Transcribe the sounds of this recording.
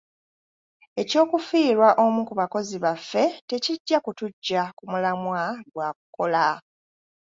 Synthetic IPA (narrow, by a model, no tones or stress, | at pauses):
e̞co̞ːkufiːɾwaʔo̞mukuβako̞ziβafːe̞te̞ciɟːakutuɟːakumulamwaɡwaːkuko̞la